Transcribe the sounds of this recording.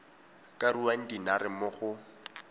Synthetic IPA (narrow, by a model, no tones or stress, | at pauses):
kʼaruwan̩dinarɪmʊχʊ